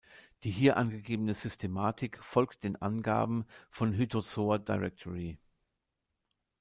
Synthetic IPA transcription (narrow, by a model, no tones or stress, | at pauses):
d̥iːɦiːɐʔanɡəɡeːbənəzʏstʰemaːtʰɪkfɔlkt̚d̥eːnʔa̰nɡa̰ːbm̩fɔnɦytʰozoːɐdaɪʁɛk̚tʰɔʁi